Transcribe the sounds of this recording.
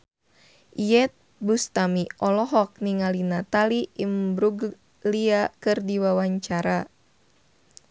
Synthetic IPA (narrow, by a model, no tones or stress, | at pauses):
ʔijɛt̪̚bust̪amiɔlɔɦɔk̚niŋalinat̪aliimbɾuɡ | liakɨrdiwawaɲt͡ʃaɾa